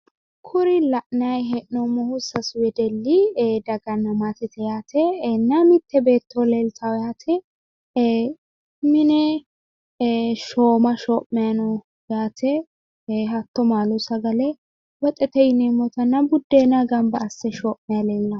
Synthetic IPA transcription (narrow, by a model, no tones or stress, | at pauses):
kʰʊɾɪlɐʔnɐjɦɛʔnɔmːɔhʊsɐswɛd̪ɛlːid̪ɐɡɐnːɐmat̪ɛt̪ʰɛjaːt̪ʰɛnːɐmɪt̪ʰːɛbe̞ːt̪ːɔleːlt̪ʰɐwjaːt̪ʰɛ | mɪnɛ | ʃoːmɐʃɔːʔːɛjɐnɔ | jaːt̪ʰɛ | hɐt̪ːɔmaːlʊsɐɡɐlɛ | wɔt̪ʼɛt̪ɛjɪnɛmɔt̪ɐnːɐbʊd̪ːenɐɡɐmbɐːsːɛʃɔːʔmɛjɐleːlːɐ